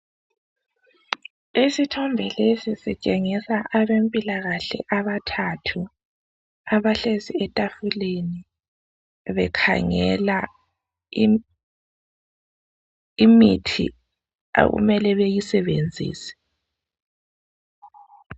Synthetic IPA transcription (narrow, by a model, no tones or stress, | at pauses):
esitʰɔmbʱɛlesisɛt͡ʃʼeŋisaʔaβempʼilaɣaɬɛ̰ʔaβatʰatʰu | aβaɬesiɛtʼafuleni | βɛkʰa̰ŋɛla | imitʰḭ | ɣṵmɛlɛβejisɛβend͡zʱḭːsɛ̥